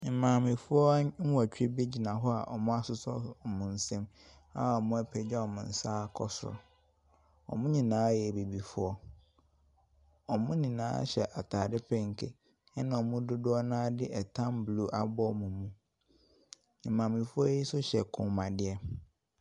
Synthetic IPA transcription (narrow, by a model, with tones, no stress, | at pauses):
m̩˨mãː˨mɪ̃˨fʊ˦ɔ˦m̩˦wa˨t͡ɕᶣi˦bi˦d͡ʑi˨nã˨ɦɔ˦a˨ʔɔ̰˨mʊ̃˦a˦sʊ˦sɔ˦˨mʊ̃˨n̩˨sɛ̃˦m | a˦˨ɔ˨mʊ̃˦a˦pʰɛ˨d͡ʑᶣa˦ɔ˨mʊ̃˨n̩˨saː˦kʰɔ˨sʊ˦ɾʊ̰˨ | ɔ̰˨mʊ̃˦ɲĩ˨nãː˨˦jɛ˨be˨bi˨fʊ˦ɔ˦ | ɔ˨mʊ̃˦nɪ̃˨nã̰ː˨˦ɕɛ˨ʔa˨tʰaː˨dɪ˦pʰɛ˦ŋ̩˨kʰḛ˨ | ɛ˦nã˨ɔ˨mʊ̃˦dʊ˦dʊ˦ɔ˦nãː˦dɪ˦ʔɛ˨tʰã˦mblu˦ʔa˨bɔ˦˨mũ˨mũ˨ | mãː˨mɪ̃˨fʊ˦ɔ˦ji˦sʊ˦ɕɛ˨kʰʊ̃˨mã˨dɪ˦ɛ˦